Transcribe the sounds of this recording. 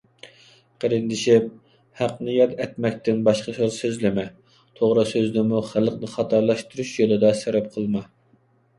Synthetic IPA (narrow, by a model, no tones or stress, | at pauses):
qʰæɾɪnd̪ɪʃɪp̚ | hæqnɨjɑt̪ɛt̪mɛk̚ʲt̪ɪnbɑʃqɑsosøzlɪmɛ | t̪ʰoʁɾɨsøzd̪ɪmuχælˠəqnɨχɑt̪ʰɑɾlˠɑʃt̪uɾuʃjolˠɨd̪ɑsæbɛp̚qʰəlˠmɑ